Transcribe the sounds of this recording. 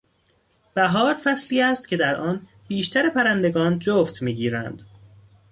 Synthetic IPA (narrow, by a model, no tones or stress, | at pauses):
b̥æɦɒːɾfæsliːæːst̪cʲʰe̞d̪æɾʔɒːn | b̥iːʃt̪ʰæɾepʰæɾænd̪e̞ɡɒːnd͡ʒoːft̪ʰmiːɟiːɾænd̪̥